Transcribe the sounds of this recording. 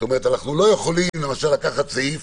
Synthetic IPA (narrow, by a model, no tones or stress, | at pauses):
tome̞ʁet̪anaχnulo̞je̞χo̞limle̞maʃalːakaχat̪zaif